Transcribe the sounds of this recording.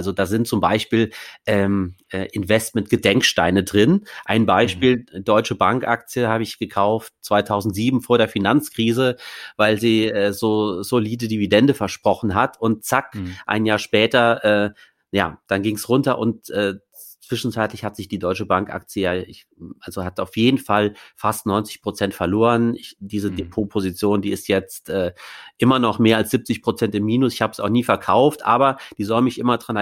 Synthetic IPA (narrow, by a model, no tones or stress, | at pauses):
ʔalzodaːzɪnt̚t͡sʊmba̰ɪʃpiːlʔɛːmʔɛːʔɪnvɛstmɛntɡ̥ədɛŋkʃtaɪnədʁɪnʔaɪnbaɪʃpiːldɔʏt͡ʃəbaŋkʔa̰k̚t͡sijəhaːbəɪçɡ̥əkʰaʊft̚t͡sv̥aɪtʰaʊzn̩tz̥iːbm̩foːɐɾeːɐfinant͡skʁ̥iːzəvaɪlziːʔɛːzoːzoliːdədividɛndəfɛɐʃpʁ̥ɔχn̩ɦatʰʊnt̚t͡sakʔa̰ɪnjaːɐʃpɛːtɐʔɛː | ja̰ːd̥anɡɪŋsʁʊntɐʔʊ̰ntʔɛː | t͡sv̥ɪʃn̩t͡saɪtlɪçhatz̥ɪçd̥iːdɔʏt͡ʃəbaŋkʔa̰k̚t͡sjəjaːɪ | ʔalzohataʊfjeːdn̩falfastnɔʏnt͡sɪçpʁ̥ot͡sɛntfɛɐloːʁənɪd̥iːzədepʰoːpʰozit͡sjoːndiːɪstjɛt͡stʔɛːʔɪmɐnɔχmeːɐalsz̥ip̚t͡sɪçpʁ̥ot͡sɛntɪmːiːnʊsɪçhaːbəsaʊxχniːfɛɐkʰaʊftʔa̰ːbɐd̥iːzɔlmɪçʔɪmɐdʁan